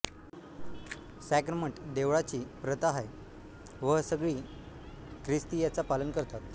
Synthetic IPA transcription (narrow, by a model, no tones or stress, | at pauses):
sɛkɾəməɳʈd̪eʋɭat͡ɕiːpɾət̪aɦaj | ʋəɦsəɡɭiː | kɾist̪iːjat͡sapalənkəɾt̪at̪